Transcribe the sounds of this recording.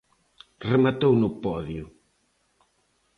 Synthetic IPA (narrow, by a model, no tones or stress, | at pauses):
remat̪ownʊpɔðjʊ